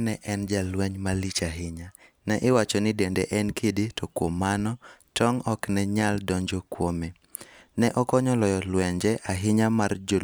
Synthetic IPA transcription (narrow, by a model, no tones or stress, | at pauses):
nɛʔɛnd͡ʒalwɛɲmalɪt͡ʃaɦɪɲa | nɛʔɪwat͡ʃɔnɪdɛndɛ̰ʔɛnkeditɔkwomːanɔtɔŋɔknɛɲaldɔɲd͡ʒokwome | nɛʔɔkɔɲɔlɔjɔlwɛɲd͡ʒɛʔaɦɪɲamard͡ʒo